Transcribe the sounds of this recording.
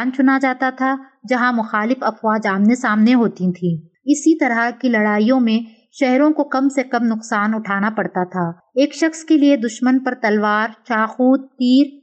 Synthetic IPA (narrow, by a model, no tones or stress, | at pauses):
aːnt͡ʃʊnad͡ʒaːt̪at̪ʰa | d͡ʒɐɦãmʊxaːlɪfɐfʋaːd͡ʒaːmnesaːmneɦoːt̪it̪ʰiː | ɪsit̪ɐɾakilɐɽaːijõmẽ | ʃɛɦɾõkokɐmsekɐmnʊqsaːnʊʈʰaːnapɐɽt̪at̪ʰaː | eːkʃɐxskelied̪ʊʃmənpɐɾt̪ɐlʋaːɾt͡ʃaːxuːt̪̚t̪iːɾ